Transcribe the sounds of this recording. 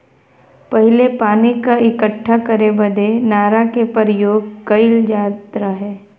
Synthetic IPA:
pɐɦɪlepaːnikaɪkəʈʰːakɐɾebɐd̪enaːɾakepəɾjoːɡ̚kɐɪld͡ʒaːt̪ɾaɦɛː

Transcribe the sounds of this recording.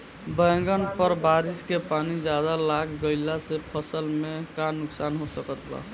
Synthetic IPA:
bəŋɡənpəɾbaɾiskepanid͡ʒjad̪alaɡɡəɪlasepʰəsəlmekanːuksanɦosəkət̪ʰla̰

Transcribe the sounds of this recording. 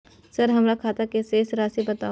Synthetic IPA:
sɐɾɦɐmɾakʰaːt̪akeseːsɾaːsibɐt̪a̰ː

